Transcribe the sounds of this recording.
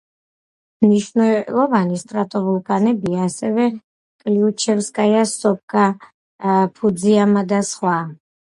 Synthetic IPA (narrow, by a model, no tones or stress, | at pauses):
mniʃvnɛlˠɔvanist̪ʼɾat̪ʼɔvulˠpʰʼanɛbiaːsɛvɛ | kʼliut͡ʃʰɛvskʼajasɔp̚kʼa | pʰud̪ziamad̪asχwa